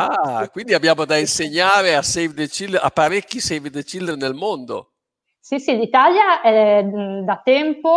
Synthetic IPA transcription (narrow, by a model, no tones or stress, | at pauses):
akwind̪iabːjaːmod̪ainseɲːaːɾeasɛjvd̪et͡ʃilːa̰pːaɾekʲːisɛjvd̪et͡ʃilːernelmond̪o̰ | sisilit̪aljaɛd̪at̪ɛmpo